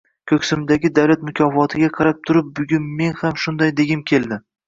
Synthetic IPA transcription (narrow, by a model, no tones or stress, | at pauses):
kʲʰɵkʲsɪmd̪aɡʲɪd̪awlat̪mʊkʲʰɒfɒt̪ʰɪɡʲaqʰɑɾap̚t̪ʰʊɾɪp̚bʊɡʲʊnme̞nhamʃʊnd̪ajd̪eɡʲɪmkʲʰe̞lˠd̪ɪ